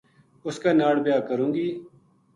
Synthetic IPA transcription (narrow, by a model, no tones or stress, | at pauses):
ʊskaːnaːɽbɪjaːkəɾũːŋɡiː